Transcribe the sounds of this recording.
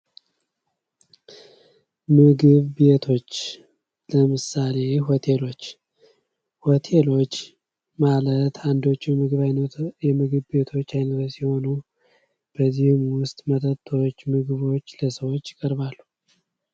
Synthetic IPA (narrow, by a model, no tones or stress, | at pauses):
mɨɡɨβbe̞t̪ʰo̞t͡ʃː | ləmɨsale̞ɦo̞t̪ʰe̞lo̞t͡ʃː | hot̪ʰe̞lo̞t͡ʃː | malət̪ʰand̪o̞t͡ʃːumɨɡɨβajnjɛmɨɡɨβbe̞t̪ʰo̞t͡ʃːajnət̪ʰsiho̞nu | b̥əzːihmwʊst̪ʼmət̪ʰʼət̪ʰʼːo̞t͡ʃːmɨɡɨβo̞t͡ʃːləsəwot͡ʃːɪkʼəɾβalːu